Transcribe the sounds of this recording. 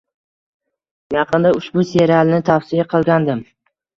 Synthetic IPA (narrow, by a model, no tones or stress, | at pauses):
jɑqʰɨnd̪aʊʃbʊseɾalnɪt̪ʰafsɪjaqʰɨlˠɡʲand̪ɪm